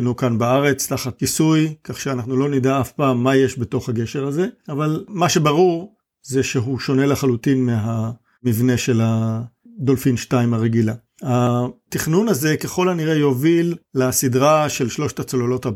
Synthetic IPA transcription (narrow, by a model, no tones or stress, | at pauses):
nukanbaaʁe̞t͡staχat̪̚kisujkaχʃeanaχnulo̞nidaafpaːmːaje̞ʃbe̞to̞χhaɡe̞ʃe̞ʁaze̞avalmaʃe̞baʁuʁ | ze̞ʃe̞ɦuʃo̞ne̞leχalutinmeɦa | mivne̞ʃe̞lad̪o̞lfinʃtaimaʁeɡila | hatiχnunaze̞keχo̞laniʁejo̞vilːasidʁaʃe̞lʃlo̞ʃtat͡sololo̞ta